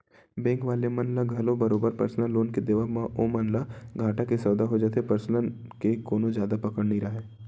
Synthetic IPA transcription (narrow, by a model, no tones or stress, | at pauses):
bɛ̃ːŋkʋaːlemɐnlaɡʱɐlõbɐɾoːbəɾpɐ̰ɾslãloːnked̪eʋaːɦmãʔoːmɐnlaɡʱaːʈakisɔːd̪aɦod͡ʒaːt̪epəɾslən | kekoːnõzjaːd̪apɐkəɽnəĩɾɐɦeː